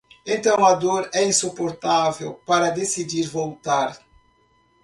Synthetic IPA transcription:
ẽnt̪ɐ̃w̃ɐd̪oɾɛĩsupoɾt̪avewpaɾɐd̪esid͡ʒiɾvowt̪aɾ

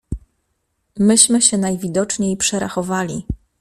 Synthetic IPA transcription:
mɘɕmɘɕɛnajvʲid̪ɔt͡ʂɲejpʂɛɾa̰xɔvalʲi

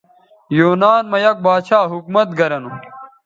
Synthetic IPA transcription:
joːnaːnmɐjɐk̚baːt͡ɕʰaːɦukmɐt̪̚ɡɐɾɐnu

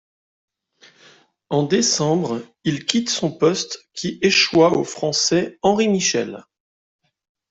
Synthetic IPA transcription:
ɑ̃d̪esɑ̃bʁ | ilkʲit̪sɔ̃pɔst̪kʲʰiʔeʃwaofχɑ̃sɛɑ̃ʁimiʃɛl

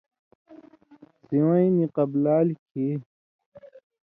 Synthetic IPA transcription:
siwãĩniqɐblaːlkʰe

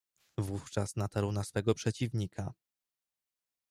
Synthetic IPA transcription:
vuft͡ʂasnat̪aɾwnasfɛɡɔpʂɛt͡ɕivɲikʰa

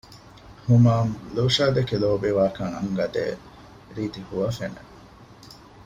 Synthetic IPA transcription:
humaːmluːʃaːd̪ekeloːbeʋaːkɐŋɐ̰ŋɡɐd̪ḛː | ɾiːt̪ihuʋɐfenḛ

